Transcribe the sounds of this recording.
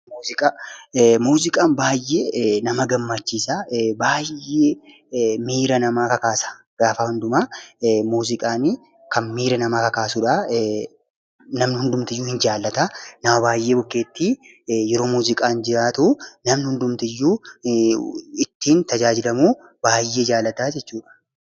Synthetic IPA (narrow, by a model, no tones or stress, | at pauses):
muːzɪkʼaːmuːzɪkʼaːnbaːjːeːnɐmɐɡɐmːɐt͡ʃːiːsaːbaːjːeː | miːɾɐnɐmaːkɐkaːsɐ̥ | ɡ̥aːfɐhʊnd̪ʊmamuːzɪkʼaːnɪ | kɐnmiːɾɐnɐmaːkɐkaːsuːᶑɐ | nɐmnɪhʊnd̪ʊmt̪ɪjːuːhɪnd͡ʒaːlːɐt̪aːnɐmɐbaːjːeːbʊkːe̞ːt̪ːiː | jɛɾo̞ːmuːzɪkʼaːnd͡ʒɪɾaːt̪unɐmnɪhʊnd̪ʊmt̪ɪjːuː | ɪt̪ːiːnt̪ɐd͡ʒaːd͡ʒɪlɐmuː | b̥aːjːeːd͡ʒaːlːɐt̪aːd͡ʒɛt͡ʃːuːᶑɐ̥